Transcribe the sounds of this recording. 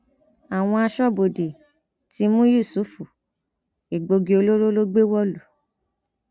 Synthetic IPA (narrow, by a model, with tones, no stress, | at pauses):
a˨w̃ɔ̃˧a˧ʃɔ˦˨bo˨de˨ | ti˧˦mũ˦ju˦˨su˨˦fu˨ | i˨ɡ͡bo˧ɡi˧o˧lo˦ɾo˦lo˦ɡ͡be˦wɔ˦lu˨